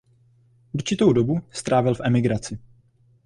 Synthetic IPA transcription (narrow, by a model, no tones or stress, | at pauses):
ʔuɾt͡ʃɪt̪o̞wdo̞bust̪ɾʔaːvɪlfʔɛmɪɡɾat͡sɪ